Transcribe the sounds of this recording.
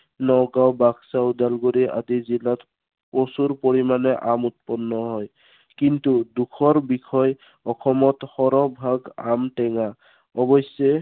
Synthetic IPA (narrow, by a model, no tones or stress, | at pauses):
nɔɡawbaɡsaudalɡoɾiʔa̰dizilat | osuɹpoɹimanɛʔamut̪̚pɔnːɔɦɔj | kintudukʰɔɹbikʰɔj | ɔkʰɔmɔthɔɾɔbʱaɡamʈɛŋa | ɔbɔsɔ